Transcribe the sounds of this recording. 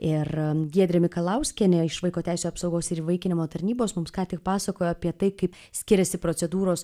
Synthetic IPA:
ɪrɡʲiɛd̪ʲɾʲɛmʲɪkɐlˠɐʊsʲkʲɛnʲɛɪʃʋɐɪkoːt̪ʲæˑɪsʲuɐpsɐʊɡoːsɪɾiːʋɐɪkʲɪnʲɪmoːt̪ɐɾʲnʲiːboːsmʊmskɑːt̪ʲɪk̚pɑːsɐkoːjoːɐpʲiɛt̪ɐɪkɐɪp | sʲkʲɪɾʲɛsʲɪpɾosʲɛd̪uːɾoːs

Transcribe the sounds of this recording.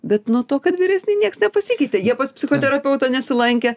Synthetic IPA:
bʲɛt̪nuɔt̪oːkɐt̪ʋʲiːɾʲæːsʲnʲɛɪnʲiɛksnʲɛpɐsʲiːkʲɛɪt̪ʲeːjiɛpɐspʲsʲɪxoːt̪ʲɛɾɐpʲɛʊt̪ɐnʲɛsʲɪlˠɐŋʲkʲɛ

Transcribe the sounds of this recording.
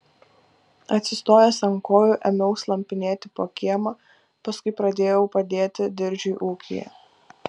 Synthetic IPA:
ɐt̪ʲsʲɪst̪oːjɛsɐŋkoːjuʔɛmʲɛʊslˠɐmʲpʲɪnʲeːt̪ʲɪpoːkʲiɛmɐ | pɐskʊɪpɾɐd̪ʲeːjɛʊpɐd̪ʲeːt̪ʲɪd̪ʲɪɾʲd͡ʒʲʊɪʔuːkʲʰḭjɛ̰

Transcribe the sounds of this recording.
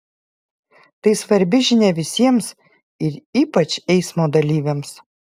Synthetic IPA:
t̪ɐɪsʋɐɾʲbʲɪʒʲɪnʲɛʋʲɪsʲiɛms | ɪɾiːpɐt͡ʃʲɛɪsmoːd̪ɐlʲiːʋʲems

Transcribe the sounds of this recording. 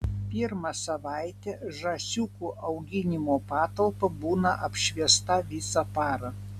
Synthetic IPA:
pʲiɾmɐsɐʋɑˑɪt̪ʲɛʒɐsʲuːkuʔɐʊɡʲɪnʲɪmoːpɑːt̪ɐlˠpɐbuːnɐʔɐpʲʃʲʋʲiɛst̪ɐʋʲɪsɐpɑːɾɐ

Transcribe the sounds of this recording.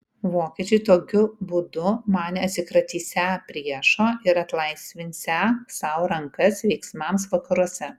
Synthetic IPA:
ʋoːkʲiɛt͡ʃʲɛɪt̪oːkʲʊbud̪ʊmɑːnʲɐt̪ʲsʲɪkɾɐt̪ʲiːsʲæpʲɾʲiɛʃoːʔɪɾɐt̪lˠɐɪsʲʋʲɪnʲsʲæsɐʊɾɐŋkɐsʋʲɛɪksmɐmsʋɐkɐɾuɔsʲɛ

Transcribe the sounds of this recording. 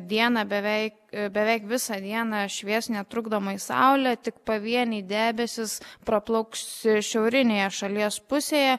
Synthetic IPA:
d̪ʲiɛnɑbʲɛʋʲɛɪkbʲɛʋʲɛɪkʋʲɪsɐd̪ʲiɛnɑʃʲʋʲiɛsnʲɛt̪ɾʊɡd̪oːmɐisɑ̰ʊlʲɛt̪ʲɪkpɐʋʲiɛnʲiːd̪ʲæːbʲɛsʲɪspɾɐplˠɐʊksɪʃʲɛʊɾʲɪnʲeːjɛʃɐlʲiɛspʊsʲeːjɛ

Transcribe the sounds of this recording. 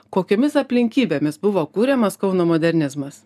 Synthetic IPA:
koːkʲoːmʲɪsɐpʲlʲɪŋʲkʲiːbʲeːmʲɪsbʊʋoːkuːɾʲɛmɐskɐʊnoːmoːd̪ʲɛɾʲnʲɪzmɐs

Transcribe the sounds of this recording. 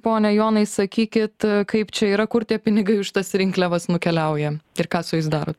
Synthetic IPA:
poːnʲɛjoːnɐɪsɐkʲiːkʲɪt̪kɐɪpt͡ʃʲɛiːɾɐkʊrt̪ʲiɛpʲɪnʲɪɡɐɪʊʃt̪ɐsɾʲɪŋklʲɛʋɐsnʊkʲɛlʲɛʊjɛɪrkɑːsʊjɪsd̪ɑːɾoːt̪

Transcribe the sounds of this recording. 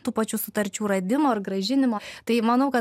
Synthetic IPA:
t̪uːpɐt͡ʃʲusʊt̪ɐɾʲt͡ʃʲuːɾɐd̪ʲɪmoːɐrɡɾɐʒʲɪnʲɪmoːt̪ɐɪmɐnɐʊkɐ

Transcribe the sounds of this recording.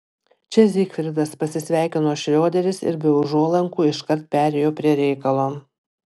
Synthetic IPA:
t͡ʃʲɛzʲiːkfʲɾʲɪd̪ɐspɐsʲɪsʲʋʲæˑɪkʲɪnoːʃʲɾʲoːd̪ʲɛɾʲɪsɪ̰ɾbʲɛʊʒuɔlˠɐŋkuːɪʃkɐɾt̪̚pʲæːɾʲɛjoːpʲɾʲiɛɾʲɛɪkɐlˠoː

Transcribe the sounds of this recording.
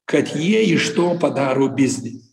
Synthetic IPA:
kʰɐt̪ʲʰjɛiʂt̪opɐd̪aɾubʲiznʲɪ

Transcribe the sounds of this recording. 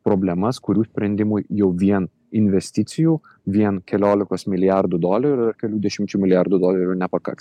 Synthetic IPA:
pɾoːbʲlʲɛmɐskʊɾʲuːsʲpʲɾʲɛnʲd̪ʲɪmʊjjɛʊʋʲiɛn | ɪnʲʋʲɛsʲt̪ʲɪt̪sʲɪjuː | ʋʲiɛnkʲɛlʲoːlʲɪkoːsmʲɪlʲɪjærd̪ud̪oːlʲɐɾʲʊʊɐrkʲɛlʲuːd̪ʲɛʃʲɪmʲt͡ʃʲuːmʲɪlʲɪjaɾd̪ud̪oːlʲɛɾʲunʲɛpɐkɐ̰ks

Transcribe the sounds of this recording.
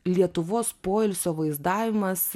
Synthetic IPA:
lʲiɛt̪ʊʋoːspoːɪlʲsʲoːʋɐɪzd̪ɑːʋʲɪmɐs

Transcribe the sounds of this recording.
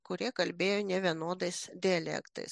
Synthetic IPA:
kʊɾʲiɛkɐlʲbʲeːjoːnʲɛʋʲiɛnoːd̪ɐɪsd̪ʲɪɐlʲɛ̰kt̪ɐ̰ɪs

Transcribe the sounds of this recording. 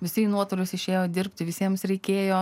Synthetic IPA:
ʋʲɪsʲɪnuɔt̪ʊlʲʊsɪʃʲeːjoːd̪ʲɪrʲpʲt̪ʲɪʋʲɪsʲiɛmsɾʲɛɪkʲeːjoː

